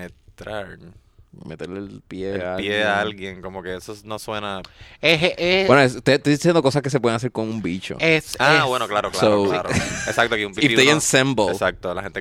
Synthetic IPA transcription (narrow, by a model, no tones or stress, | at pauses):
net̪ɾaɾ | met̪eɾlelpjeajeaalɣjeŋkomoke̞esonoswe̞naeɦewenoeset̪et̪esjend̪oko̞s̬aske̞s̬epweðeŋas̬eɾkoŋumbit͡ʃo̰esawwenoklaɾoklaooɾesakt̪oakiumpiiijẽnsẽmbollsak̚t̪ola̰hent̪e